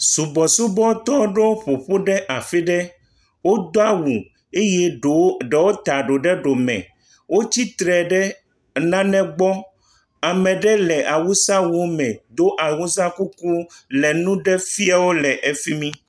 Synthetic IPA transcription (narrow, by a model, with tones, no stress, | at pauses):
su˨bɔ˨su˦bɔ˦t̪ɔ˦wɖe˦wo˦ɸo˨ɸo˦ɖɛ˦ʔa˨fi˦ɖɛ˦ | wo˦d̪o˦a˦wu˨ | e˦jɛ˦ɖo˨˦ɖɛ˨wo˦t̪a˨ɖo˨ɖɛ˦ɖo˨mɛ̰̃˨ | wo˦t͡ɕi˦t̪ɾɛ˨ɖɛ˦ | nã˦nɛ̃˦ɡ͡bɔ˦ | a˨mɛ̃˨ɖɛ˦lɛ˨ʔa˨wu˦sa˦wo˦mɛ̃˨d̪o˦ʔa˨wu˦s̬ã˦ku˦ku˦lɛ˨nũ˦ɖɛ˦fi˦a˦wo˦lɛ˨ʔe˨fi˦mĩ˦